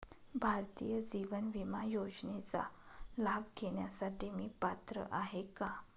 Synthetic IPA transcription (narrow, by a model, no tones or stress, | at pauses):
bʱaɾt̪ijəd͡ʑiʋənʋimajod͡ʑnet͡sa̰labkeɳjasaʈimiːpat̪ɾə̰ʔaɦeka